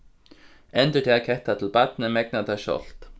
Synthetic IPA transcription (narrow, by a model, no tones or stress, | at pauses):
ɛnt̪ʏt̪ʰeakʰɛht̪at̪ʰɪlpat̪̚nəmɛk̚nat̪ʰaʃɔ̰l̥t̪